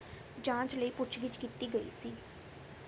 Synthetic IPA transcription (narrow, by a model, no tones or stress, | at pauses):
d͡ʒãːt͡ʃləiːpʊt͡ʃʰɡɪt͡ʃkit̪iːɡəḭːsiː